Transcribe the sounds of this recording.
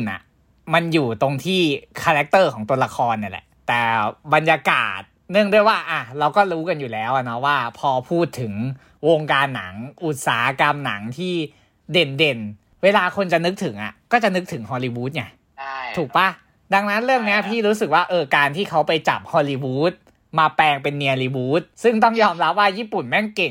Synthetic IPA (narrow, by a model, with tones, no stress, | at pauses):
nʔa̰˨˩ | ma˧njuː˨˩t̪o˧ŋt̪ʰiː˥˩kʰa˧ɾɛ˦˥k̚t̪ɤː˥˩kʰɔː˩˦ŋt̪u˧ɐla˧kʰɔː˧nːa˧˩lɛ̰˨˩t̪ɛː˨˩ba˧nja˧ka̰ː˨˩t̪̚nɯ˥˩əŋdu˥˩əjwaː˥˩ʔa˧˩ɾa˧wkɔː˥˩ɾuː˦˥ka˧njuː˨˩lɛː˦˥wʔa˨˩nɔ˦˥waː˥˩pʰɔː˧pʰuː˥˩t̪ʰːɯ˩˦ŋ | wo˧ŋkaː˧nːa̰˩˦ŋʔu˨˩t̪̚sa̰ː˩˦ka˧mna̰˩˦ŋt̪ʰiː˥˩ | de˧nde˧n | weː˧laː˧kʰo˧nt͡ɕa˨˩nɯ˦˥k̚t̪ʰɯ˩˦ŋʔa̰˨˩kɔː˥˩t͡ɕa˨˩nɯ˦˥k̚t̪ʰɯ˩˦ŋɦɔː˧liː˧wuː˦˥t̪̚ɲa˧˥˩ | uː˨˩k̚pa˧˥ | da˧ŋna˦˥nɾɯ˥˩əŋni˦˥ɐpʰiː˥˩ɾuː˦˥sɯ˨˩k̚waː˥˩ʔɤː˧kaː˧nt̪ʰiː˥˩kʰa˦˥wpa˧jt͡ɕa˨˩p̚hɔː˧liː˧wuː˦˥t̪̚ | maː˧pɛː˧ŋpe˧nːi˧ə˧liː˧wuː˦˥t̪̚sɯ˥˩ŋt̪ɔ˥˩ŋjɔː˧mɾa˦˥p̚waː˥˩jiː˥˩pu˨˩nmɛ˥˩nke˨˩ŋ